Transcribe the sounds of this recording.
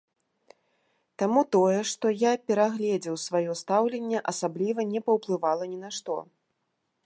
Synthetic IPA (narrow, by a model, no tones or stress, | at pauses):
t̪amut̪ɔjɛʂt̪ɔjapʲɛɾaɣlʲɛd͡zʲɛwsvajɔst̪awlʲɛnʲːɛʔɐsablʲivɐnʲɛpɐwplˠɨvalˠɐnʲɛnaʂt̪ɔ̰